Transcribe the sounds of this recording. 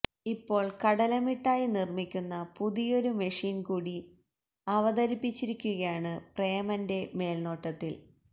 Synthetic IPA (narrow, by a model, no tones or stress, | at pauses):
ipːo̞ːɭkɐɽɐlɐmiʈːaːjinirmikʲːunːɐpuðijo̞ɾumɐʂiːnkuːɽi | ɐʋɐðɐɾipːit͡ɕːiɾikʲːuɣɐjaːɳɨprejɐmɐnde̞me̞ːlno̞ːʈːɐt̪ːil